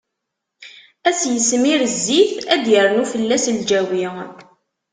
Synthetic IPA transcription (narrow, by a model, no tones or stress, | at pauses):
æsjəsmiɾəzːiθæd̪jəɾˤnufəlːæsld͡ʒæwi